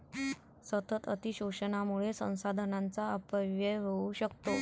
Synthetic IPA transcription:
sət̪ət̪ət̪iɕuɕənamuɭesə̰̃w̃sad̪ʱənãnt͡saəpəʋjəʋeuɕəkt̪o

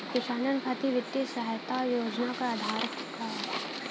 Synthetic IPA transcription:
kɪʃaːnənkʰat̪iʋɪt̪jisəɦjt̪ajoːd͡ʒnakaad̪ʱaːɾ | ka

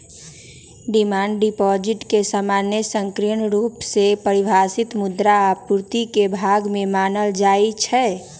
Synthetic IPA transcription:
ɖimaːɳɖɖipɔd͡ʒɪʈkesaːmaːnjəsə̃ŋkɾiənɾuːpsepəɾɪbʱaːsɪt̪mʊd̪ɾapuɾt̪ikebʱaːɡmẽmaːnəld͡ʒaːit͡ʃʰɛ

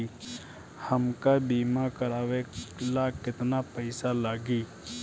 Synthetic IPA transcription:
i | hɐmkabiːmakɐɾaːʋelakɪt̪napəɪsalaːɡiː

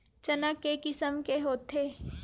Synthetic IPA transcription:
t͡ʃənakːekɪsəmkeɦoːt̪ʰeː

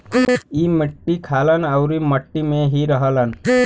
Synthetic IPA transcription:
imɪʈːikʰaːlənəwɾiməʈːimẽɦiɾəɦələn

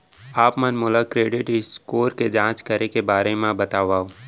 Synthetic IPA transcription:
aːpmɐnmʊlakɾeːɖɪʈɪskoːɾked͡ʒãːt͡ʃkɐɾekebaːɾemẽbɐt̪aːʋaːo

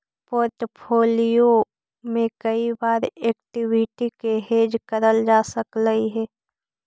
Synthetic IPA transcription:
poːɾʈpʰoːlijo | mẽkəibaːɾeːkʈɪwɪʈikeɦeːd͡ʒkəɾəld͡ʒaːsəkləiɦɛː

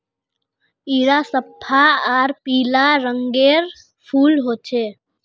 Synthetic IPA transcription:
iɾasəpʰaaɾpiːlaɾəŋɡeɾ | pʰuːlɦoːt͡ʃʰeː

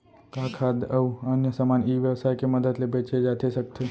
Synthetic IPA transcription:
kakʰad̪əuənjəsamaniːʋjəʋsaekeməd̪əd̪lebet͡ʃʰed͡ʒat̪ʰesəkt̪ʰe

